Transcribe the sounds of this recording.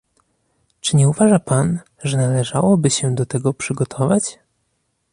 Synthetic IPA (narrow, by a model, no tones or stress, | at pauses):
t͡ʂɘɲɛuvaʐapan | ʐɛnalɛʐawɔbɘɕɛd̪ɔt̪ɛɡɔpʂɘɡɔt̪ʰɔvat͡ɕ